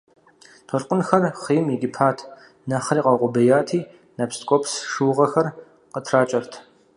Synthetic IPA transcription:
tʰɔɬqʷʊnxɐrχijmjɛɡʲɪpʰaːtʰ | nɐχriːqʼɐwqʷʼʊbɐjaːtʰiː | nɐpskʷʼopʰsʂuːʁɐxɐr | qətʰraːt͡ʃʼɐrtʰ

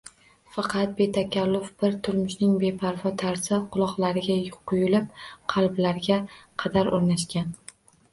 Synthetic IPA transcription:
fɑqʰɑt̪̚be̞t̪ʰakʲʰalːʊfb̥ɪɾt̪ʰʊɾmʊʃnɪŋbe̞pʰaɾvɒt̪ʰaɾsɪqʰʊlˠɒqlˠaɾɪɡʲaqʰʊjʊlɪp̚qʰɑlˠblaɾɡʲaqʰɑd̪aɾoɾnaʃkʲan

